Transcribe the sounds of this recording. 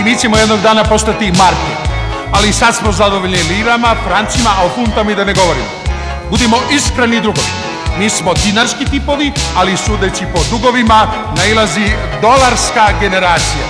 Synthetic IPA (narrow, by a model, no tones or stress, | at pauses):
miːt͡ɕemojeno̞ɡd̪aːnapo̞st̪at̪imaɾket̪ | alisad̪smo̞zad̪o̞ʋoʎʲniliːɾamafɾant̪simaʔofunt̪amid̪ane̞ɡo̞ʋo̞ɾḭmo | bud̪imo̞ʔiskɾenid̪ɾuɡoʋi | miːsmo̞d̪inaɾskit̪ipo̞ʋialisuːd̪et͡ɕipo̞d̪uɡo̞ʋima | nailˠazi | d̪o̞laɾskaɡe̞ne̞ɾaːt̪sija̰